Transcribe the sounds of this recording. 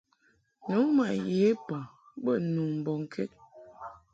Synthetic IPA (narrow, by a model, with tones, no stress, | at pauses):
nu˨˦ma˨ʔje˨˦pa˨ | ɓə˦˨nu˨m̩˨bɔ˨ŋ˨kʰɛ˦t̚